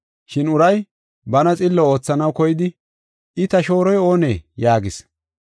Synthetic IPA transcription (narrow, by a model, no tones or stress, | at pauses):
ʃɪnʊɾɐj | bɐnɐt͡sʼɪlːɔoːt͡sːɐnɐwkɔjɪd̪ɪ | ɪt̪ɐʃo̞ːɾɔjo̞ːnḛːjaːɡɪs